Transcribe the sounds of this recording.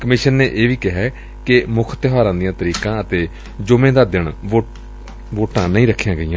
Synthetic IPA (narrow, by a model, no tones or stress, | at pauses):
kəmɪʃənːeːʔeːʋiːkɪɦɛː | kɪmʊkʰt̪ɪɦaːɾãːd̪ijãːt̪əɾiːkãːət̪eː | d͡ʒʊmẽːd̪aːd̪ɪɳo | ʋoːʈãːnəĩːɾəkʰːijãːɡəijãː